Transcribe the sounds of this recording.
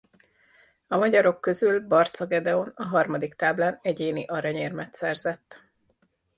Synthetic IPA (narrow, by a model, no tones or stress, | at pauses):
ɒmɒɟɒɾo̞kːø̞zylbɒrt̪sɒɡɛd̪ɛo̞nɒɦɒrmɒd̪ikt̪aːblaːnɛɟeːniʔɒɾɒɲeːrmɛt̪sɛrzɛt̪ː